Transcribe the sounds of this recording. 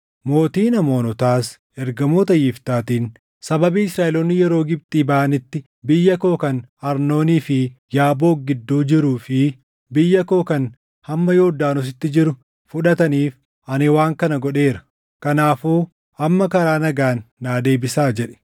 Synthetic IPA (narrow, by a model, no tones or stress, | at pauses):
mo̞ːt̪iːnɐmo̞ːnɔt̪aːs | ɛɾɡɐmoːt̪ɐjɪft̪aːt̪iːn | sɐbɐbiːɪsɾaːʔɛloːnːɪjɛɾo̞ːɡɪb̚t̪ʼiːbɐːʔɐnɪt̪ːɪ | bɪjːɐko̞ːkɐnɐɾno̞ːniːfɪjaːbo̞ːɡɪd̪ːuːd͡ʒɪɾuːfɪ | bɪjːɐko̞ːkɐn | hɐmːɐjoːd̪aːnʊs̬ɪt̪ːɪd͡ʒɪɾʊ | fʊᶑɐt̪ɐniːf | ʔɐnɪwaːŋkɐnɐɡɔᶑe̞ːɾɐ̥ | kɐnaːfuː | ʔɐmːɐkɐɾaːnɐɡaːnːaːd̪eːbɪsaːd͡ʒɛᶑɛ̥